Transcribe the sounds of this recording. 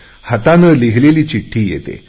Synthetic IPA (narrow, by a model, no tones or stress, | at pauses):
hət̪anəːliɦleliːt͡ɕiʈʰːiːjḛt̪ḛ